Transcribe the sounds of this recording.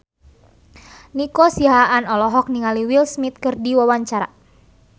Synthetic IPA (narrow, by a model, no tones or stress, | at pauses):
nikɔsiɦaanɔlɔɦɔk̚niŋaliwilsmit̪̚kɨrdiwawaɲt͡ʃaɾa̰